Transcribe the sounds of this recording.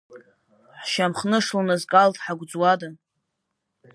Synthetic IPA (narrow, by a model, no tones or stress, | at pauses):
ħʃamχnɨʂlunazkʼaltʰʼħaɡʷd͡zwada